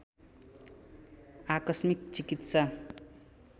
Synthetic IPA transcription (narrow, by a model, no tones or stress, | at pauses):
akʌsmikt͡sikit̪sʌ